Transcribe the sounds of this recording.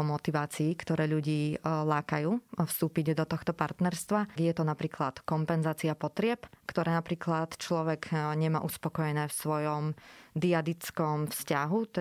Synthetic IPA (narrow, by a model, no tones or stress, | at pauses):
ɔmɔt̪iʋaːt͡siːkt̪ɔɾɛːʎuɟiːlaːkajuːfst̪uːpiɟd̪ɔt̪ɔxt̪ɔpa̰ɾt̪nɛɾst̪ʋajɛt̪ɔnapɾiːklat̪kɔmpɛnzaːt͡siapɔt̪ɾɪɛpkt̪ɔɾɛːnapɾiːklat̪t͡ʃlɔʋɛɡɲɛma̰ːʔuspɔkɔjɛnɛːfsʋɔjɔmd̪iad̪it͡skɔmfscaɦu